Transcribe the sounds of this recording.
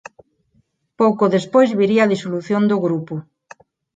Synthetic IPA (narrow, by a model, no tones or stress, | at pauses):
powkoðespojzβiɾiaðisoluθjond̪oɣɾupʊ